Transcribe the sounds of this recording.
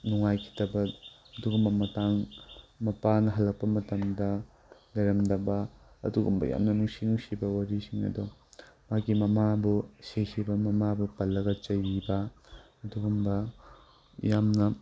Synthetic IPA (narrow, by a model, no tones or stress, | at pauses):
nuŋajkʰi̥tɐbɐː | duɡumbɐmɐtaŋmɐpanɐɦɐlːɐk̚pɐmɐtɐmdɐ | lɐɾɐmdɐbɐ | ɐ̰duɡumbɐ̰ja̰mnɐnuŋsinuŋsibɐwaɾisiŋɐ̰dɔmakimɐmabusesibɐmɐmabupɐlːɐɡɐt͡ʃɐjibɐ | ɐduɡumbɐ | jamnɐ